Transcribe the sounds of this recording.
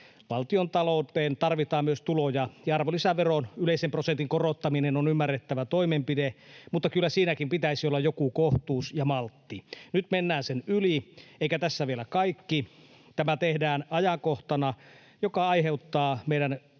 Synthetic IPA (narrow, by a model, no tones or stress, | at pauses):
ʋɑlt̪iont̪ɑlout̪eːnt̪ɑrʋit̪ɑːmmyøst̪ulojɑjɑɑrʋolisæʋeronyleˑisemprosent̪iŋkorot̪ːɑminenonymːærːet̪ːæʋæt̪oimempidemut̪ːɑkylːæsiːnækimpit̪æisiolːɑjokukoht̪uːsjɑmɑlt̪ːinyt̪menːæːnsenylieikæt̪æsːæʋielækɑikːi | t̪æmæt̪ehdæːnɑjɑkoht̪ɑnɑ | jokɑɑiɦeut̪ːɑːmeiɾæn